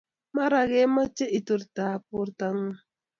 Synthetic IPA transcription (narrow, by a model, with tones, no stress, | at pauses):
ma˦ɾa˨ɣe˦ma˦t͡ʃe˦ʔi˨tu˨ɾta˨pu˦ɾta˨ŋ̩˦